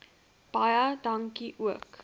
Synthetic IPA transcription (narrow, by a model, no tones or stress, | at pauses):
b̥ɐjɐdɐŋkiʔuək